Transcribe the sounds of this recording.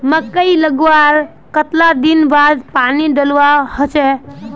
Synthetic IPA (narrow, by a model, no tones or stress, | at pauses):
məkːəjləɡwaɾ | kət̪lad̪inbad̪paniɖəlwahot͡ʃɛ